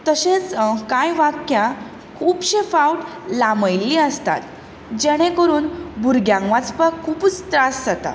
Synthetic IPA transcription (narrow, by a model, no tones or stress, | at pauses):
t̪əɕet͡skajʋakja | kʰuːbɕefawʈlaməjlːiəst̪a̰t̪ | d͡ʑeɽ̃ẽkəɾuːnbʱuɾɡjãŋɡʋat͡spakʰuːpt͡st̪ɾasd͡zat̪a̰